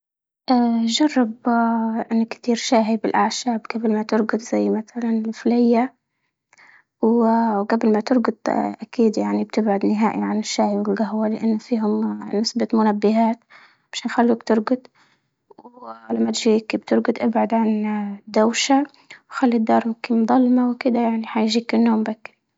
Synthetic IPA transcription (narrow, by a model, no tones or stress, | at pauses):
ʔaːʒɑrˤːɑbʔɪnːakt̪iːɾʃaːɦibɪlʔaʕʃaːbɡablmat̪ɪɾɡʊt̪z̥ajːmaθalanɪlflɪjːa | wɡablmat̪ɪɾɡʊd̪ʔakiːd̪jaʕnib̚t̪ɪbʕʊd̪nɪɦaːʔḭʕanɪʃːaːhiwɪlɡaɦwalɪʔɪnːfiːɦʊmnɪsbat̪mʊnabːɪɦaːt̪ | b̥aʃaːnxalːuːkt̪ɪɾɡʊd̪ˤ | wlamːat̪ʒiːkbt̪ɪɾɡʊd̪ˤʔabʕʊd̪ʕand̪ːawʃa | wxalːid̪ːɑːɾˤmʊmkɪnmd̪ˤɑlmawkɪd̪ajaʕniħajʒiːkɪnːoːmbakːɪ